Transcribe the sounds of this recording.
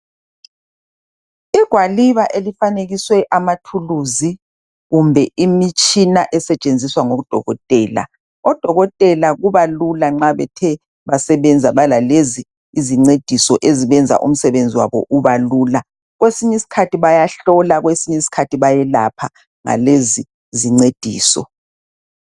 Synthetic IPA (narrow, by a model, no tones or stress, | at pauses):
iɡ̥ʱwaliβaʔelifaneɣiswɛʔamatʰuluzi | ɣumbʱɛimit͡ʃʼinaʔɛsɛt͡ʃʼend͡zʱiswaŋoɣud̥ʱɔ̰ɣɔtʼɛːla̰ | ɔd̥ʱɔɣɔtʼɛlaɣuβalulaŋ͡ǁaβɛ̰tʰɛ | βasɛβɛnd͡zʱaβalalezi | iziŋ͡ǀed̥ʱisɔʔeziβɛnd͡zʱa̰ʔṵm̩sɛβend͡zʱiwa̰βɔ̰ʔuβaluːla | ɣwesiɲɛisi̥kʰatiβajaɬɔlaɣwesiɲɛisi̥kʰatʰiβajɛla̰pʰa | ŋa̰lezi | ziŋ͡ǀed̥ʱiːsɔ̰